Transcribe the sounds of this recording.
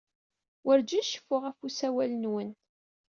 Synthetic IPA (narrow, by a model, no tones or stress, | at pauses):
wəɾd͡ʒæʃə̥fːʊʁæfusæwælənwən